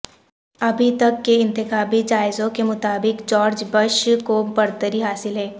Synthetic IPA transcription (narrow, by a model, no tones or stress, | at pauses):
ɐbʱit̪ɐkːeɪ̃nt̪ɪxaːbid͡ʒaːɪzõkemʊt̪aːbɪkd͡ʒɔːɾd͡ʒbəʃkobɐɾt̪əɾiɦaːsɪlɦɛː